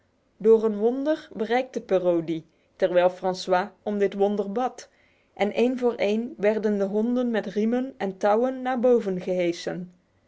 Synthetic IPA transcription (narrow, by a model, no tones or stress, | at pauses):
doːrənʋɔndəɹbərɛjk̚təpaːrowdi | tɛɹʋɛjlˠfrɑnswaːɔmdɪtʋɔndəɹbɑt | ʔɛnʔejnvʊːɹʔejnʋɛɹdəndəɦɔndənmɛtrimənʔɛntɑwənːaːɹbowvənχəɦejsən